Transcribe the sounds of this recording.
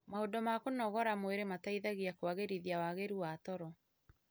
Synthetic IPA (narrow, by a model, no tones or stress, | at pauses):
mahodɔmakonɔɣɔɾamweɾemataiðaɣiakwaɣeɾiðiawaɣeɾuwatɔɾɔ